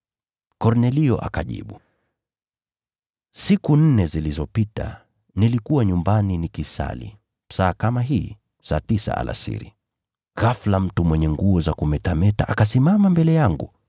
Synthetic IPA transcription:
kɔɾnɛliɔʔa̰kaʄḭɓu | sikun̩nɛzilizɔpita̰ | nilikuwaɲumbaninikisa̰lḭ | saːkamaɦiː | sa̰ːtisa̰ʔa̰lʔa̰sḭɾḭ | ɣaflam̩tumwɛɲɛŋɡuɔzakumɛtamɛtaʔakasimamambɛlɛjaŋɡṵ

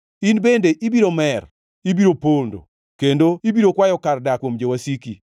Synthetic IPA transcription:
inbendeʔibiɾomɛr | ibiɾopondo̰ | kendoibiɾokwajɔkardakwomd͡ʒewasiki

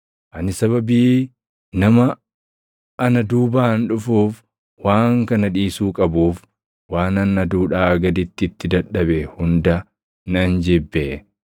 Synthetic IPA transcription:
ʔɐnɪsɐβɐbiː | nɐmɐ | nɐd̪uːbaːnᶑʊfuːf | waːŋkɐnɐᶑiːsuːkʼɐbuːf | waːnɐnːɐd̪uːᶑaːɐɡɐd̪ɪt̪ːɪɪt̪ːɪd̪ɐᶑːɐbɛhʊnd̪ɐ | nɐnd͡ʒɛbːɛ

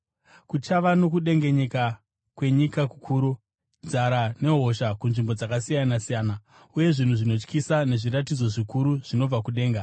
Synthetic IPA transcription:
kut͡ʃaʋano̞kuɗe̞ŋɡe̞ɲeka | kwe̞ɲikaku̥kʰuːɾu | nd͡zaɾane̞ɦo̞ʃakunʐimbo̞d͡zakasijanasijaːna | uje̞ʐin̤uʐino̞t͡ʃkisane̞ʐiratid͡zo̞ʐikuɾuʐ̥ino̞b͡vakuɗe̞ːŋɡa

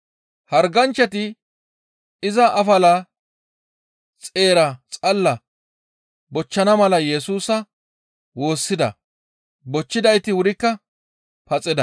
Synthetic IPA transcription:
hɐɾɡɐnt͡ʃːɛt̪ɪ | ɪzɐʔɐfɐla | t͡sʼe̞ːɾɐt͡sʼɐlːɐ | bɔt͡ʃːɐnɐmɐlɐjɛsuːsɐ | wo̞ːsːɪd̪ɐ̰ | bɔt͡ʃːɪd̪ɐjt̪ɪwʊɾɪkːɐ | pɐt͡sʼɪd̪ɐ

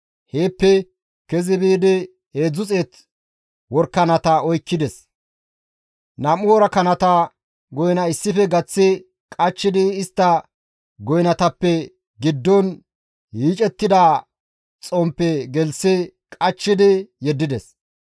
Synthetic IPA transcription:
heːpːɛ | kɛzɪbeːd̪ɛ | heːd͡zʊt͡sʼeːt̪ | wɔɾkːɐnɐt̪ɐɔjkːɪd̪ɛs | nɐmʊwɔɾɐkɐnɐt̪ɐ | ɡɔjnɐɪsːɪfɛɡɐt͡sːɪ | kʼɐt͡ʃːɪd̪ɪːst̪ːɐ | ɡɔjnɐt̪ɐpːɛ | ɡɪd̪ːɔn | hiːt͡ʃʼɛt̪ːɪd̪aː | t͡sʼompːɛɡɛlsɛkʼɐt͡ʃːɪd̪ɪjɛd̪ːɪd̪ɛs

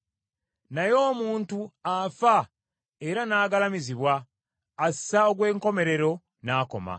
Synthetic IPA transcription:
najo̞ːmuːntuafa | e̞ɾanaːɡalamiziβwaː | ssaoɡwe̞ːŋko̞me̞ɾe̞ɾo̞ | naːko̞̰ma̰

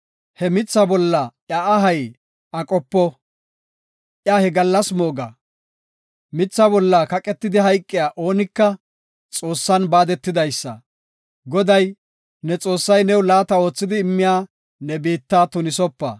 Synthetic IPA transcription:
hɛmɪt͡sːɐbɔlːɐʔjaːʔɐɦɐj | ɐkʼɔpːɔ | ʔjaːhɛɡɐlːɐsmoːɡɐ̰ | mɪt͡sːɐbɔlːɐkɐkʼɛt̪ːɪd̪ɪɦɐjkʼːɪjaːʔo̞ːnɪkːɐ | t͡sʼo̞ːsːɐnbaːd̪ɛt̪ːɪd̪ɐjsːɐ̰ | ɡɔd̪ɐj | nɛt͡sʼo̞ːsːɐjnɛwlaːt̪ɐo̞ːt͡sːɪd̪ɪːmːɪjaː | nɛbeːt̪ːaːt̪ʊnɪsɔpːɐ̰

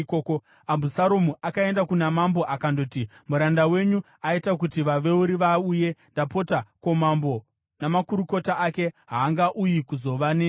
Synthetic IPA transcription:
koko | ambusaɾomuakae̞ndakunamambo̞ʔakando̞ːtimuɾandawe̞ɲu | aitakutiʋaʋe̞uɾiʋauje̞ndapo̞tako̞mambo̞ | namakuɾuko̞taake̞ɦaːŋɡaʔujikuzo̞ʋane

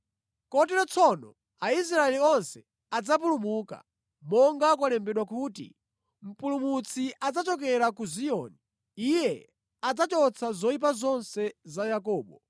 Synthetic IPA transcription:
kɔtɛɾɔt͡sʰɔnɔ̰ | ais̬ɾaɛliɔnsɛ | ad͡zap̬ulumuka̰ | mɔŋɡakwalɛmbɛɗwakuːtḭ | m̩pulumut͡sʰiʔad͡zat͡ʃɔk̬ɛɾakuziɔːni | ijɛ | ad͡zat͡ʃɔt͡sʰazɔip̬azɔnsɛzajakɔːɓɔ

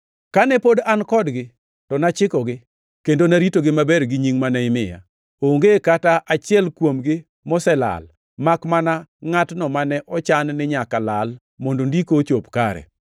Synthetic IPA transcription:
kanɛpodankɔdɡɪ | tɔnat͡ʃɪkɔɡɪ | kendonaɾitoɡɪmabɛɾɡɪɲiŋmanaɪmɪja̰ | oŋɡekataʔat͡ʃɪɛlkwomɡɪ | mɔsɛla̰l | makmanaŋatnɔmanɛʔɔt͡ʃannɪɲakalal | mondondikot͡ʃopkaɾɛ̰

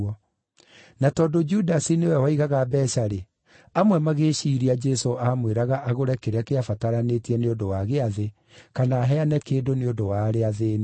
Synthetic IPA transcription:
ɔ | natɔːdod͡ʒudasinewɛwaiɣaɣabɛʃaɾe | amwɛmaɣeʃiɾiad͡ʒɛsoamweɾaɣaʔaɣoɾɛkeɾeakeafataɾanetiɛneodowaɣeaðe | kanaːɦɛanɛkeːdoneodowaɾeaðeːne

